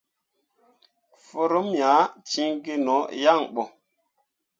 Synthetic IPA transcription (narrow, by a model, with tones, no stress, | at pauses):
fo˦ɾo˦mja˨˦t͡ʃi˦ŋɡe˦nɔ˨˦ja˦˨ŋɓɔ˨